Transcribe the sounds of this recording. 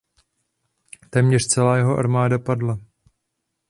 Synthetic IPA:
t̪ɛːmɲɛrt͡sɛlaːjɛɦoʔa̰ɾmaːdapadla

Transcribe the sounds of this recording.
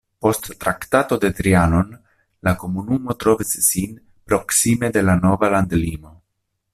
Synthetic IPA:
po̞stːɾakt̪at̪o̞d̪e̞t̪ɾiano̞n | lako̞munumo̞t̪ɾo̞visːin | pɾo̞ksime̞d̪e̞lano̞valand̪limo̞

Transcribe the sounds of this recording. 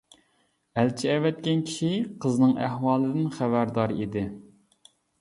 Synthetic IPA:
ælt͡ʃʰiɛvɛt̪̚kʲɛnkʲʰi̥ʃiqʰəznɨŋʔæhwɑːlˠɨd̪ɨnχævæɾd̪ɑːɾɨid̪ɪ

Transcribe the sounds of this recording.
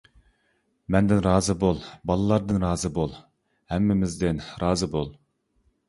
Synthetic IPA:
mɛnd̪ɪnɾɑːzɨbolˠbɑlˠɨlˠɑɾd̪ɨnɾɑːzɨbolˠ | hɛmːɪmɪzd̪ɪnɾɑːzɨbolˠ

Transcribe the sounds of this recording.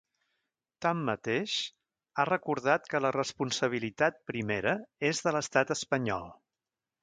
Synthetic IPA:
t̪amːət̪eʃ | arəkuɾðat̪kələrəspunsəβ̞ilit̪at̪̚pɾimeɾəezðələst̪at̪əspəɲɔ̰lˠ

